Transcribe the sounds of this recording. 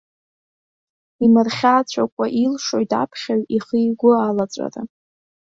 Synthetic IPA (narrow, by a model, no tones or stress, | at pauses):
imɨrχʲat͡ɕʷʰakʷʼaʔilʂojtʰa̰pʰχʲaɥiχijɡʷʊalat͡sʷʼa̰ra̰